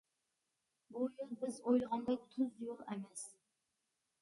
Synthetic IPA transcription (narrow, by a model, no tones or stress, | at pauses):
bujolˠbɪzojlˠʁɑnd̪ɑjt̪ʰʊzjolˠemɛs